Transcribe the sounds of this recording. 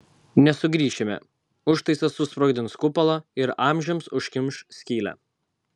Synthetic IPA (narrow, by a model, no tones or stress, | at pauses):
nʲɛsʊɡɾʲiːʃʲɪmʲɛ̰ | ʊʃt̪ɐɪsɐsʊspɾoːɡʲd̪ʲɪnskʊpɐlˠɐɪɾɑˑmʲʒʲɛmsʊʃʲkʲɪmʃsʲkʲiːlʲɛ̰